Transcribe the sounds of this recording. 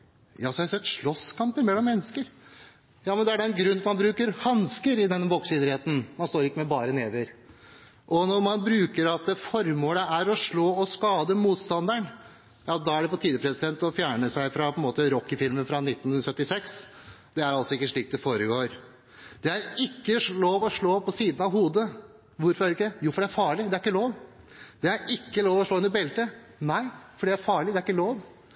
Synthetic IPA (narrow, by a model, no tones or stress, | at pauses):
jɑːsɔhɑhsɛt̪ːʂɭɔskʰɑmpəɾmɛlːɔmːɛnːəskəɾ | jɑːmɛnd̪ɛæɖɛɛnɡɾʉnːmɑnbɾʉːkəɾhɑnskəɾɪd̪ɛnːəbɔksɪːd̪ɾɪheːt̪n̩mɑnst̪oːɾɪkːəmɛbɑːɾəneːʋəɾ | ʔɔnɔɾmɑnbɾʉːkəɾɑt̪əfɔɾmoːləæɾɔʂɭoːɔskɑːd̪əmuːt̪st̪ɑnd̪æɳ | jɑd̪ɑæɖɛpɔt̪ʰiːd̪əpʰɾɛssɪd̪ɛnt̪ɔfjæːɳəsæɪfɾɑpʰɔɛnmoːt̪əɾɔkːɪfɪlmənfɾɑnɪt̪ːn̩sœt̪ːɪsɛksd̪̥ɛæɾɑlt̪sɔɪkːəʂɭiːkt̪̚d̪ɛfoːɾəɡoːɾ | d̪̥ɛæɾɪkːəloːʋɔʂɭoːpʰɔsiːd̪n̩ɑʋɦuːd̪ə | ʋʊɾfɔɾæɾɪkːəd̪ɛjuːfɔɖɛæɾfɑːɭɪd̪ɛæɾɪkːəloːʋ | d̪̥ɛæɾɪkːəloːʋɔʂɭoːʉnəɾbɛlt̪ə | næɪfɔɖɛæɾfɑːɭɪd̪ɛæɾɪkːəloːʋ